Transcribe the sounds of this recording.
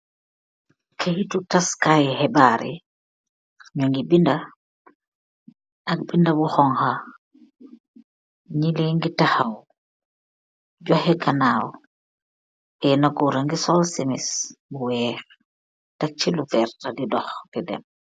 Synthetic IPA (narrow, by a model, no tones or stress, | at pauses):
kʰahitutaskajhɛbaɾḭ | ɲɔŋɡibinda | ak̚bindabuxɔŋha | ɲileŋɡitahaw | ɟɔhɛkanaːw | ʔɛnaɡuɾaŋɡisɔlsimisbuwɛːɾ | tak̚t͡ʃilufɛɾtadidɔxdidɛ̰m